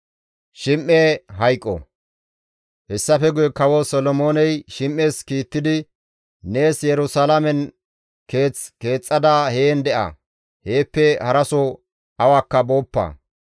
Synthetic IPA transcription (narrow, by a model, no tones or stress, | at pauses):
ʃɪmʔːeɦɐjkʼːɔ̰ | hɛsːɐfɛɡʊjɛkɐwɔsɔlɔmoːnɛjʃɪmʔːeːskiːt̪ːɪd̪ɪ | ne̞ːsjɛɾʊsalɐmɛn | ke̞ːt͡ske̞ːt͡sʼːɐd̪ahe̞ːnd̪ɛʔɐ̰ | he̞ːpːɛhɐɾɐsɔ | ɐwaːkːɐbo̞ːpːɐ̰